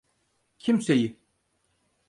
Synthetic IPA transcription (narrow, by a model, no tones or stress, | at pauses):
cʰimseji